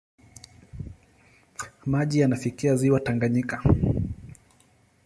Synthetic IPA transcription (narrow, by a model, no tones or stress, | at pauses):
maʄijanafikiaziwataŋɡaɲika